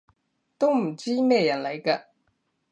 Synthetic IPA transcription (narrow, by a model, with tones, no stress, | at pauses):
t̪o˥m̩˨˩t͡ɕi˥mɛː˥˧jɐ˨˥nlɐ˨˥˦jkə˧